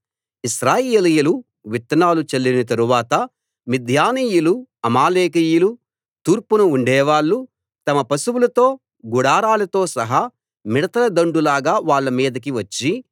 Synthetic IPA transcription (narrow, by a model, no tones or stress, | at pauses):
iʃɾaːjeːlijulu | ʋit̪ːɐnaːlut͡ʃɐlːinɐt̪̬ɐɾuʋaːt̪ɐ | mid̪ʱjaːniːjuluɐmaːleːkijulu | t̪uːɾpunuuɳɖɛːʋaːɭːu | t̪ɐmɐpɐsuwulɐt̪o̞ː | ɡuɽaːɾaːlɐt̪o̞ːsɐɦɐ | miɽɐt̪ɐlɐd̪ɐɳɖulaːɡaːʋaːɭːɐmiːd̪ɐk̬iʋɐt͡ʃːi